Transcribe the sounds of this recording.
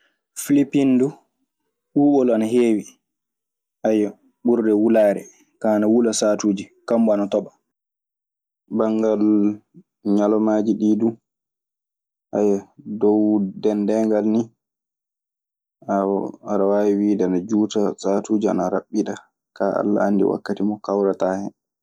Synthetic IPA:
filipindu | ɓuːɓɔlanaɦeːwi | ʔajɔ | ɓuɾdɛwulaːɾɛ̰ | kaːnawulasatuːd͡ʒikambɔanatɔɓa | baŋɡal | ɲalɔmaːd͡ʒiɗiːdu | ʔajadɔwdɛndɛŋɡalni | awɔanawawiwiːdɛanad͡ʒuːtasaːtuːd͡ʒia̰naɾa̰ɓːiɗa | kaʔa̰lːa̰a̰ndḭwa̰kːatimɔkawɾataːhɛ̰

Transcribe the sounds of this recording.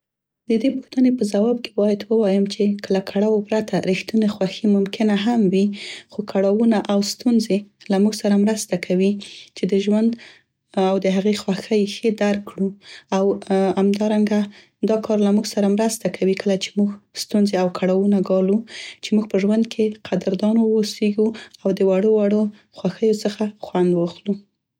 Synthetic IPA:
d̪əd̪epuxt̪ənepəzawɑb̚kʰe̥bɑjad̪wəwɑjəmt͡ʃekʰəlakʰaɽawopɾat̪ʰaɾixt̪unexwaximʊmkɪnaɦamwixokʰaɽawunaʔawst̪unzelamuɡsaɾamɾəst̪akʰawit͡ʃed̪əʒwand̪ | awd̪əɦaɣexwaxəjxed̪aɾkːɽuawhamd̪ɑɾaŋɡa | d̪ɑkʰɑɾlamuɡsaɾamɾəst̪akʰawikʰəlat͡ʃe̥muɡst̪unzeawkʰaɽawunaɡɑlut͡ʃemuɡ̚pəʒwand̪kʰeqʰad̪əɾd̪ɑnowːseɡuawd̪əwaɽowaɽo | xwaxəjot͡səxaxwand̪wɑxlu

